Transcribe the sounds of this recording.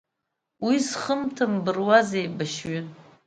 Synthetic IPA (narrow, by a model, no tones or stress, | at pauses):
wisχəmtʰɨmbɨrwazejbaʃɥʏ